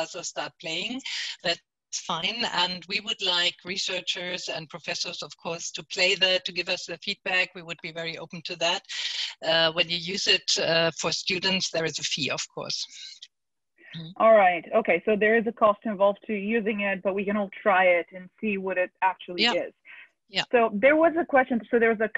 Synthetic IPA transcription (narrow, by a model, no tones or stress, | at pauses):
soʊstɑɹt̚pʰl̥eɪɪ̃ŋðæt̚ | sfãɪ̃nɨ̃nwiwʊdˡlaɪkʰɹisɜ˞t͡ʃə˞zɨ̃npʰɹ̥ofɛsə˞zʌv̥kʰɔɹstʰɨpʰl̥eɪðɨtʰːɨɡɪvʌsðɨfid̚bækwiwʊd̚bivɛɹiʔoʊpn̩tʰɨðæt̚ʌwɨ̃njɨjʉzɪtʌfə˞stʉdⁿn̩tsðə˞ɨzɨfiʌ̰v̥kʰɔ̰ɹs | ʔɔlˠɹaɪtoʊkʰeɪsoʊðə˞ɨzɨkʰɔstɨ̃ɱvɑlˠv̥tʰɨjʉzɪ̃ŋɪt̚b̥ʌt̚wikɨ̃ñɔlˠtʰɹ̥aɪɪɾɨ̃nsiwʌɾɪɾæk̚t͡ʃul̩ˠiɪz̥ | soʊðə˞wʌzɨkʰw̥ɛst͡ʃɨ̃nsoʊðə˞wʌzɨ